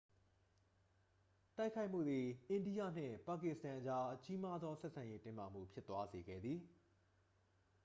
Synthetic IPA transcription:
ta˦ɪkʰːa˦ɪʔm̥ṵ˦˨d̪i˨ʔɪ̃˨ndi˦jä̰˦˨n̥ɪ̰̃˦˨pa˨kɪ˦ʔstã˨ʔət͡ɕa˦ʔət͡ɕi˦ma˦d̪ðɔ˦sɛ˦ʔsã˨je˦tɪ̃˦ma̰˨m̥ṵ˦˨pʰjɪ˦t̪wa˦ze˨ɡɛ̰˦˨d̪ði˨

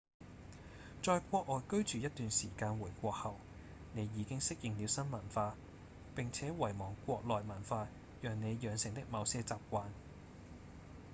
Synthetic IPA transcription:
t͡ʃɔː˧jkʷɔː˧k̚ɔː˨jkɵ˥ɥt͡ʃyː˨jɐ˥t̪̚yː˨nsiː˨˩kaː˧nwuː˨˩jkʷɔː˧k̚hɐ˨˩w | ne˨˧jːiː˨˧kɪ˥ŋsɪ˥k̚jɪ˨ŋniː˨˧wsɐ˥nmɐ˨˩nfaː˧ | pɪ˨ŋt͡sʰɛː˨˥wɐ˨˩jmɔː˨˩ŋkʷɔː˧k̚lɔː˨jmɐ˨˩nfaː˧ | jœː˨ŋne˨˧jjœː˨˧ŋsɪ˨ŋt̪ɪ˥k̚mɐ˨˧wsɛː˧t͡saː˨p̚kʷaː˧n

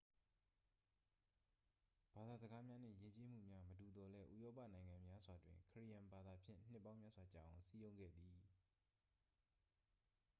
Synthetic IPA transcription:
b̥a˨d̪a˨zəɡa˦mja˦n̥ɪ̰̃˦˨je˦t͡ɕe˦m̥ṵ˦˨mja˦mədu˨d̪ɔ˨lɛ˦ʔṵ˦˨jɔ˦pa̰˦˨nã˨ɪ̃ŋã˨mja˦z̥wa˨dwɪ̰̃˨ŋkʰə˨ɹi˦˨jã˨mba˨d̪a˨pʰjɪ̰̃˦˨n̥ɪ˦pːã˦ʊ̃mja˦˨zwa˨t͡ɕa̰˦˨ʔʊ̃˨si˦jõ˦ʊ̃ŋɡɛ̰˦˨d̪ði˨

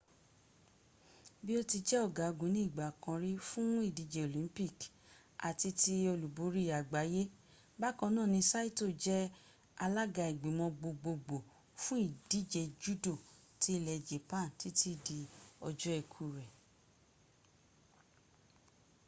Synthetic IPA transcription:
bi˦o˦ti˧d͡ʒɛ˦ɔ˦˨ɡa˨˦ɡũ˨˦nĩ˦i˦˨ɡ͡ba˨kã˧ɾi˦fũ˦i˦˨di˨˦d͡ʒɛ˧o˨lĩ˨˦pi˦˨k | a̰˨ti˧ti˧˦o˧lu˨bo˨˦ɾi˦˨a˨ɡ͡ba˨˦je˦ | ba˦kɔ̃˧nãː˦˨nĩ˧sa˦i˦to˦˨d͡ʒɛ˦ | a˧la˦ɡa˧˨i˨ɡ͡bi˨˦mɔ̃˧ɡ͡bo˧ɡ͡bo˧ɡ͡bo˨ | fũ˦i˦˨d̥i˨˦d͡ʒɛ˨d͡ʒu˦do˦˨ | ti˨˦˧lɛ˨d͡ʒe˨pã˦˨n˨ti˨˦tʰi˦˨di˧ɔ˧d͡ʒɔ˦ɛ˧˨kʰu˨ɾɛ˨

